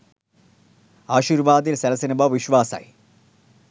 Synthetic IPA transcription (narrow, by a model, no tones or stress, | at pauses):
aːɕiːɾʋaːd̪ilsɐlɐsɐnibaʋʋiɕʋaːsa̰ːj